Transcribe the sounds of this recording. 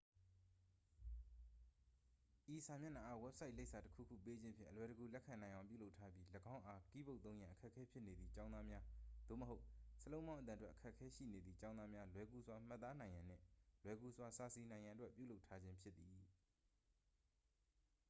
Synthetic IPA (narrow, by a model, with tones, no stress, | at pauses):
ʔi˨sa˨mjɪ̃˦˨na˨ʔa˦˨wɛ˦p̚sʰa˦ɪʔle˦ɪʔsʰa˨təkʰṵ˦˨kʰṵ˦˨pe˦d͡ʑɪ̃˦mpʰjɪ̰̃˦ʔəlwɛ˨ɾə˨ɡu˨lɛ˦kʰã˨nã˨ʔã˨ʊ̃mpjṵ˦˨lo˦ʊtʰːa˦bji˦ləɡã˦ʊ̃ʔa˦ki˦˨bo˦ʊt̪θõ˦ʊ̃jã˨ʔəkʰɛ˦ʔkʰːɛ˦pʰjɪ˦ʔne˨d̪ði˨t͡ɕã˦na˦mja˦d̪̥o̰˦˨məɦo˦ʊʔsəlõ˦ʊ̃mã˦ʊʔət̪ã˨twɛ˦ʔəkʰɛ˦ʔkʰːɛ˦ʃḭ˦˨ne˨d̪ði˨t͡ɕã˦ʊ̃nða˦mja˦lwɛ˦ku˦zwa˦m̥a˦t̪ːa˦nã˨ɪ̃jã˨n̥ɪ̰̃˦˨lwɛ˨˦ku˦zwa˦sa˨si˨nã˨ɪ̃jã˨twɛ˦ʔpjṵ˦˨lo˦ʊtʰːa˦d͡ʑɪ̃˦mpʰjɪ˦t̪t̪ːi˨